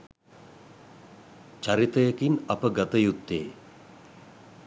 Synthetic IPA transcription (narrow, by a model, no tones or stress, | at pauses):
t͡ʃaɾit̪əjəkinɐpəɡɐt̪əjut̪ːḛː